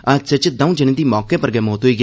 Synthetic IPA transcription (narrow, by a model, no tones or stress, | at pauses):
əset͡ʃəd̪ãũːd͡ʒəñẽːd̪iːmɔːkeːpəɾɡɛːmoːt̪ɦoiːɡ